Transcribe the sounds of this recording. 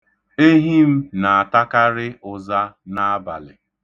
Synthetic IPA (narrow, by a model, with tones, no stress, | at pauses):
e˦ɦi˦m̩˦na˨a˨ta˦ka˦ɾɪ˦ʊ˨za˦na˦a˦ba̰˨lɪ̰˨